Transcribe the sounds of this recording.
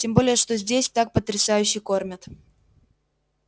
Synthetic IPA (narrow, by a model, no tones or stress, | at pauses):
tʲembo̞lʲɪjəʂt̪o̞zʲdʲesʲt̪ak̚pət̪ɾʲɪsajʉɕːɪkormʲət̪